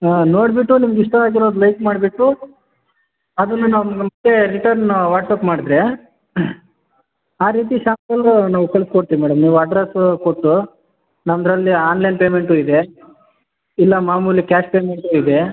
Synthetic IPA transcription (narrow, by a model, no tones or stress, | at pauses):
no̞ːɽbiʈːunimɐɡiʂʈɐaːɡiɾod̪ulɐjkmaːɖbiʈːu | ɐd̪ɐnːunanɐmɐɡeɾiʈɐɾnʋaːʈsɐpmaːɽd̪ɾe | aːɾiːt̪iʃaːmt̪ɐlɐnaːʋukɐlskoɽt̪iʋimaːɽɐmniːʋuɐɖɾeskoʈːu | nɐmd̪ɾɐlːiaːnlɐjnpeːmeɳʈuid̪e | ilːɐmaːmuːlikaːʂpeːme̞ɳʈuid̪e̞